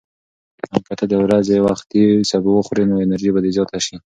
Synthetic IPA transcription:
amkat̪ʰad̪əwɾazewaxt̪̚isabuwəxɾinoenaɾʒibad̪ezjɑt̪aʃi

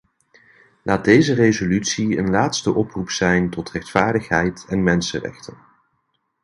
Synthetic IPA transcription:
lʔaːd̚dejzərezolytsiənlaːtstəʔɔprupsɛjntɔtrɛχtfaːɹdəχɦɛjtɛnmɛnsə̰rɛ̰χtən

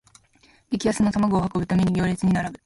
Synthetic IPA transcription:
bʲikʲijasɨno̞t̪amaɡo̞ːhakobɯ̟t̪omʲiɲ̟iɡʲo̞ːɾʲet͡sɨɲ̟inaɾabɯ̟

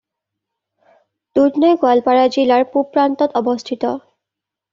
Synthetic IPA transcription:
tudnɔjɡwalpaɹazilaɹpupɹantɔtɔbɔstʰitɔ

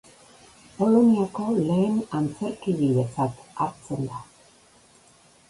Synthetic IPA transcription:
po̞loniako̞le̞ːnant͡se̞ɾkiβiðe̞t͡sat̪aɾt͡se̞nd̪a

